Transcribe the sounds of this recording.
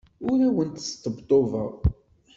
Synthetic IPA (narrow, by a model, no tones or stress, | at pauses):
ʊɾæwənt̪əst̪ːəbt̪ˤovə̰ʁ